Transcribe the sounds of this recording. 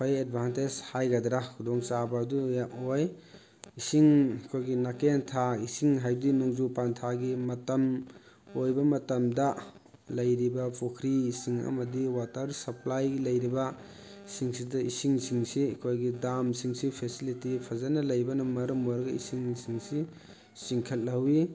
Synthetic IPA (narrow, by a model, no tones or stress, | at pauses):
pʰajed̚bʱanted͡ʒhajɡadɾakʰudɔŋsabɐdujaʔoj | isiŋkʰojɡinakentʰaisiŋɦajbdinuŋzupantʰaɡimɐtɐm | ojbɐmɐtɐmdɐlɐjɾibɐpʰokʰɾisiŋɐ̰mɐdiwatɐɾsɐplajɡilɐjɾibɐ | siŋsidɐisiŋsiŋsikʰojɡidamsiŋsipʰesilitipʰazanɐlɐjbɐnɐmːɐɾɐmɔɾɡɐḭsiŋsiŋsi | siŋkʰɐt̚lɐwi